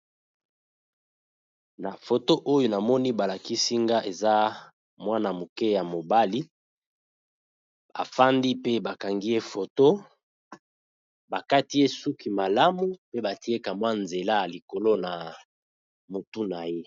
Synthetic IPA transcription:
na˨fo˨to˦ʔo˦jo˦na˨mɔ˦ni˦ba˨la˨ki˦si˦ŋɡa˦ʔe˨za˦ | mwa˦na˨mo˨ke˦ja˨mo˨ba˦li˦ | a̰˨fa˦ndi˦pe˦ba˨ka˨ŋɡi˦je˦fo˨to˦ | ba˨ka˦ti˦je˦su˦ki˨ma˨la˦mu˦pe˦ba˨ti˦e˦ka˨mwa˦nze˨la˦˨li˨ko˨lo˦na˨ | mo˨tu˦na˨je˦

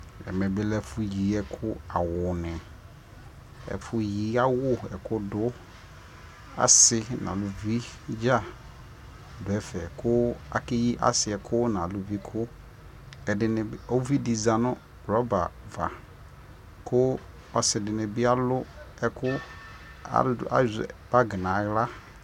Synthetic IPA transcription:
ɛ̰˨mɛ̃˨bɪ˦lɛ˦fʊ˨ji˨˦ɛ˦kʰʊ˦a˨wʊ˨nɪ̃˨ | ɛ̰˨fʊ˨ji˨˦a˦wʊ˦ɛ̰˨kʰʊ˦dʊ˦ | a̰˨sɪ˦nã̰˨lʊ˨vi˦d͡ʒa˦˨ | dʊ˨ɛ˦fɛ˨kʰʊ˦a̰˨ke˦ji˦ʔa̰˦sɪ˨ɛ˨kʰʊ˦nã˨lʊ˨vi˦kʰʊ˦ | ɛ˨dɪ˨nɪ̃˨˦o˦vi˦di˨za˨nʊ̃˦˨ | ɾɔ˦ba̰˨va̰˨ | kʰʊ˦ | ɔ˨sɪ˨dɪ˨nɪ̃˨bɪ˦a˦lʊ˦ɛ˦kʰʊ˦ | a̰˨a̰˦zb̥a˦ɡɪ˨nã˨ɣla˦

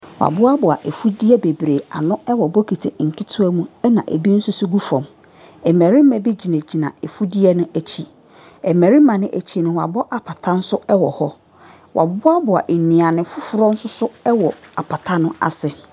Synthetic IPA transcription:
wa̰˨bʊ˦a˦bʊ˨a̰˨ʔe˨fu˦di˦ɛ˦be˨bɾe˨a̰˨nʊ̃˦ɛ˦wɔ˨bɔ˦kʰi˨tʰe˨ŋ̩˨kʰi˦tʰʊ˦æ˦mũ˦ɛ˦nã̰˨ʔḛ˨bi˦n̩˦sʊ˦su˦ɡu˦fɔ̃˨m | ɛ˨mæ˨ɾi˦m˦mɛ̃˨bi˦d͡ʑi˨næ̃˨d͡ʑi˨nã̰˨e˨fu˦di˦ɛ˦nʊ̃˦æ˨t͡ɕʰi˦ | ɛ˨mɛ˨ɾi˦mã˨nɪ̃˦ʔæ˨t͡ɕʰi˦nʊ̃˨wa˨bɔ˦ʔa˨pʰa˨tʰã˦n̩˦sʊ˦ɛ˦wɔ˨hɔ˦ | wʔa̰˨bʊ˦a˦bʊ˨a̰˨ʔe˨nĩ˨ã˨nɪ̃˨fʊ˦fʊ˨ɾɔ̃˦n̩˦sʊ˦sʊ˦ɛ˦wɔ˨a˨pʰa˨tʰa˦nʊ̃˦a̰˨sɪ˨

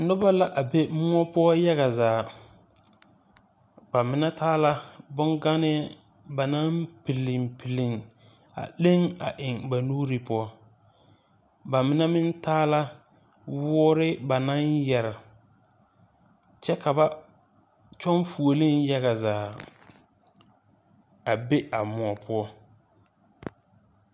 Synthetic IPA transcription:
nʊ˦ba˦la˦ʔa˨be˦mʊ˦ɔ˦pʊ˦ɔ˦ja˦ɣa˨zaː˨ | ba˨mɪ˨nɛ˦tʰaː˦la˦bʊ˦ŋɡa˦nɪ˦ | ba˨na˦mpɪ˨lɪ˨mpʰɪ˨lɪ˨ŋ | a̰˨le˦ŋa̰˨ʔɪ˨ŋba˨nuː˦ɾi˨pʊ˦ɔ˦ | ba˨mɪ˨˦nɛ˦mɪ˦ntaː˦la˦ | wɔː˦ɾɪ˦ba˨na˦njɛ˨ɾɪ˨ | t͡ʃɛ˦ka˨ba˦ | t͡ʃɔ˦nfu˨o˨lɪ˦nja˦ɣa˨zaː˨ | a˨be˦a˨mʊ˨ɔ˨pʰʊ˦ɔ˦

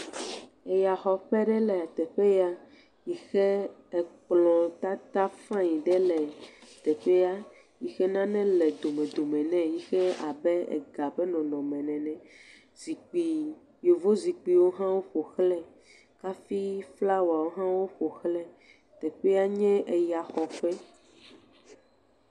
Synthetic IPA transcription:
e˨ja˨xɔ˨ɸɛ˦ɖɛ˦lɛ˨a˨t̪ɛ˨ɸɛ˦ja˦ | ji˨xɛ˦ɛ˨k͡plɔ̃˨t̪a˦t̪a˦fã˦ji˨ɖɛ˦lɛ˨t̪ɛ˨ɸɛ˦ja˦ | ji˨xɛ˦nã˦nɛ̃˦lɛ˨d̪o˨mɛ̃˨d̪o˨mɛ̃˨nɛ̃˨ji˦xɛ˦a˨bɛ˦ɛ̰˨ɡa˨bɛ˦nɔ̃˨nɔ̃˨mɛ̃˨nɛ̃˨nɛ̃˨ | zi˨k͡pi˨ | jo˨vo˦zi˨k͡pi˨wo˦ɦã˦wo˦ɸo˨xlɛ˦ | ka˦fi˦fla˦wa˨wo˦ɦã˦wo˦ɸo˨xlɛ˦ | t̪ɛ˨ɸɛ˦a˦ɲɛ̃˦ʔe˨ja˨xɔ˨ɸɛ˦

